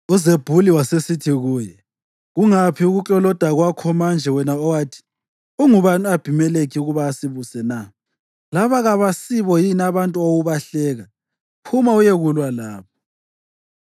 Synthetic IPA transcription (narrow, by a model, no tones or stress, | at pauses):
uzeb̥ʱuliwasesitʰiɣuːjɛ | ɣuŋapʰiuɣut͡ɬʼɔlɔd̥ʱaɣwakʰɔmand͡ʒʱɛwɛnaɔwatʰi̥ | uŋuβanuab̥ʱimɛlekʰiuɣuβaːsiβusɛna | laβaɣaβasiβɔjinaβantʼuoɣuβaɬɛːɣa | pʰumaujeɣulwalaːβɔ